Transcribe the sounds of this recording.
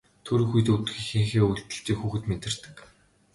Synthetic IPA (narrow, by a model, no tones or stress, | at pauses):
t̪ʰɵɾɵ̆xuj̆t̪ut̪̆xixĭŋxeːuɮt̪ɘ̆ɬt͡ɕiːkxuːxɘ̆t̪met̪ɪ̆r̥t̪ɘ̥̆k